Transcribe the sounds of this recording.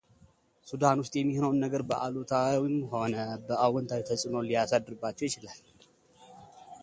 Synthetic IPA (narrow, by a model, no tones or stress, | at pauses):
sud̪anwʊst̪ʼjɛmːihnəwnːəɡəɾbəʔa̰lot̪ʰawimho̞nəbəʔawɔnt̪ʰawit̪ʰəsʼɨno̞lijasad̪ɨɾɨbːat͡ʃːɛjɪt͡ʃɪlal